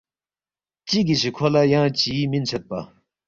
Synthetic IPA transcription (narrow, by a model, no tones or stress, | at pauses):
t͡ɕik̬iɕikʰolajaŋt͡ɕimint͡ɕʰat̪̚pa